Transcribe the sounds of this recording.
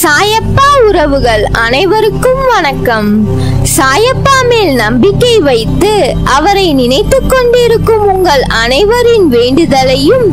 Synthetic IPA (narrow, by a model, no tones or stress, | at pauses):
saːjɐpːaːʊɾɐʋɯɣɐɭɐnɐɪʋɐɾɯkːɯmʋɐnɐkːɐm | saːjɐpːaːmeːlnɐmbɪkːɐɪʋɐɪt̪ːɯ | ʔɐʋɐɾɐɪnɪnɐɪt̪ːɯkːɔɳɖɪɾɯkːɯmʊŋɡɐɭɐnɐɪʋɐɾɪnʋeːɳɖɯðɐlɐjɯm